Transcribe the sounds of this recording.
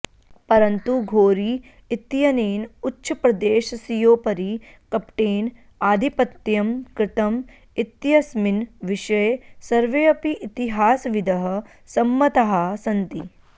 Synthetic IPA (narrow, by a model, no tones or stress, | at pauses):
pɐɾɐnt̪uɡʱoːɾi | it̪jɐneːnutːʃʰɐpɾɐd̪eːʃɐsijoːpɐɾi | kɐpʈeːn | aːd̪ʱipɐt̪ːjɐmkɾɪt̪ɐm | it̪jɐsminʋiʃɐjsɐɾʋeːɐpiʔːt̪iɦaːsʋid̪ɐɦɐ̆ | sɐmːɐt̪ɐɦɐsɐnt̪i